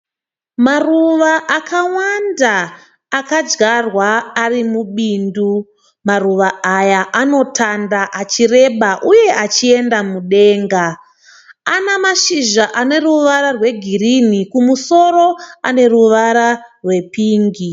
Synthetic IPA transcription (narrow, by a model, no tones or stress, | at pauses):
maruʋaʔakʰawandaː | kad͡ʒɡarwaːrimuɓiːndu | maruʋaajaʔano̞tʰandaʔat͡ʃire̞ɓaʔuje̞ʔat͡ʃie̞ndamuɗe̞ːŋɡa | anamaʃiʒaʔane̞ruʋaɾarwe̞ɡʱirinikumuso̞ɾo̞a̰ne̞ruʋaɾarwe̞piːŋɡi